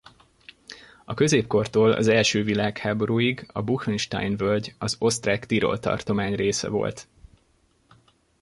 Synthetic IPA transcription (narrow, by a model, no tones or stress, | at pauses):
ɒkø̞zeːpko̞rt̪oːlɒ̰zɛlʃøːvilaːkhaːbo̞ɾuːjiɡɒbuxinʃt̪a̰jnvølɟɒzo̞st̪raːkt̪iɾo̞̰lt̪ɒ̰rt̪o̞maːɲreːsɛ̰vo̞̰lt̪